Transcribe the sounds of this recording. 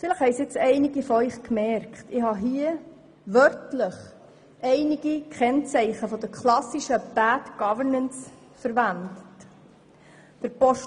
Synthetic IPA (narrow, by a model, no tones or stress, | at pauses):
fɪləχhɛɪsɪt͡sɛɪniɡifɔœʏχkmɛɾktɪhɑɦiə | ʋœɾtləχ | ʔɛɪniɡ̥ikʰɛnt͡sɛɪχəfɔd̥̪əɾkʰlɑsiʃəb̥ætɡ̥ɑvəɾnəns | fəɾvænd̪ət | d̥əɾpɔʃ